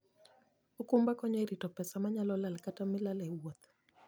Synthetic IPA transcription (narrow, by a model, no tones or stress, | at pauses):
okumbakɔɲɔeɾitɔpɛsamaɲalɔlalkatamɪlalɛwot̪̚